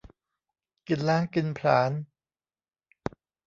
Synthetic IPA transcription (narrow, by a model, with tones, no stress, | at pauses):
ki˨˩nlaː˦˥˩ŋki˨˧npʰla̰ː˩˦n